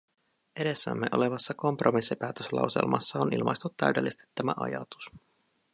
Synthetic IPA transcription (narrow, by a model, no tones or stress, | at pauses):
ʔe̞ɾe̞sːæ̰mːe̞ʔo̞̰le̞ʋɑsːɑko̞mpro̞misːipæːt̪øslɑ̰uwse̞̰lmɑsːɑonilmʔɑ̰jst̪ut̪ːæyɥde̞lːist̪i̥t̪ːæmæ̰ʔɑ̰jɑt̪u̥s